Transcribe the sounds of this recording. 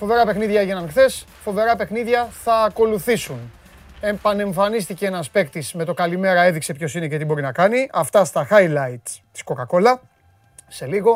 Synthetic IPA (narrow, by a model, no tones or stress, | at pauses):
fo̞ve̞ɾɐpe̞xniðʝɐeʝenɐmxθe̞s | fo̞ve̞ɾɐpe̞xniðʝɐθɐːko̞luθisun | e̞pɐne̞ɱfɐnist̪iceenɐspekt̪isme̞t̪o̞kɐlime̞ɾɐe̞ðikse̞pço̞sine̞cet̪ibo̞ɾinɐkɐniʔɐft̪ɐst̪ɐxɐjlɐjt̪t̪i̥sko̞kɐko̞lɐ | se̞liɣo̞